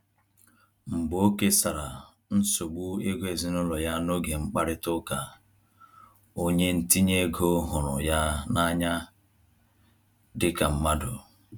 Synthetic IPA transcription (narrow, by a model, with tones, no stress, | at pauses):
ŋ͡m̩˨ɡ͡bo˦ke˦sa˨ɾa˨ | n̩˦so˨ɡ͡bu˦e˦ɡʷe˨zi˦nɔ˦lɔ˨ja˦no˦ɡe˨ŋ͡m̩˦k͡pa˦ɾɪ˦tʊ˦ka˨ | o˦ɲe˦n̩˨ti˦ɲe˦ɡo˦ɦʊ˨ɾʊ̰˨ja˦na˦ɲa˦ | dɪ˦ka˨m̩˦ma˦dʊ˨